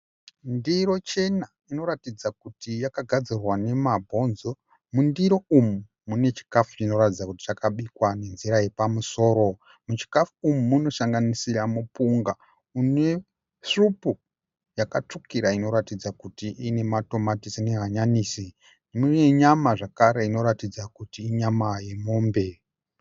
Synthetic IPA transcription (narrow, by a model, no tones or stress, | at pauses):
ndiɾo̞t͡ʃe̞na | ino̞ɾatid͡zakutijakaɡʱad͡zirwane̞mabʱo̞nzo̞ | mundiɾo̞umu | mune̞t͡ʃi̥kafu̥t͡ʃino̞ɾatid͡zakutit͡ʃakaɓikwane̞nziɾae̞pamuso̞ːɾo̞ | mut͡ʃi̥kafuːmumuno̞ʃaŋɡanisiɾamupuŋɡa | une̞ | ʂupu | jakat͡ʂukiɾaino̞ɾatid͡zakutiʔine̞mato̞matisineɦaɲaniːsi | nmuneɲamaʐakaɾeino̞ɾatid͡zakutiːɲamaje̞moːmbe̞